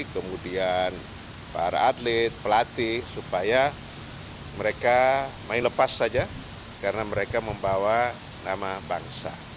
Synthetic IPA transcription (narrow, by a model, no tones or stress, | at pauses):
kəmudian | pa̰ɾa̰ːdlɪt̪̚pəlat̪ɪhsupaja | məɾekamaɪnləpasːad͡ʒa | kaɾənaməɾekaməmbawa | namabaŋsa̰